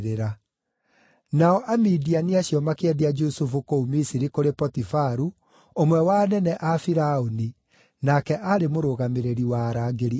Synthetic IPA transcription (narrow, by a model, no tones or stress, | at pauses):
ɾeɾa | naɔʔamidianiaɕjɔmakeɛdiad͡ʒusufukoumisiɾikoɾepɔtifaɾu | omwɛwanɛnɛʔafiɾaoni | nakɛʔaɾemoɾoɣameɾeɾiwaɾaːɡeɾi